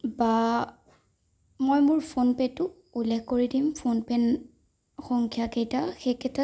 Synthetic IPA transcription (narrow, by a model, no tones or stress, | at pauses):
ba | mojmʊɹpʰonpɛtʊ | ulːɛkkoɹidimpʰonpɛn | xɔŋkʰjakejtaxekʰɛtʰa